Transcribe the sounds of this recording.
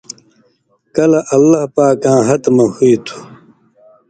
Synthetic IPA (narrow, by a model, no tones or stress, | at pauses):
kɐlɐʔɐlːahpaːkãːɦɐt̪mɐhuit̪ʰu̥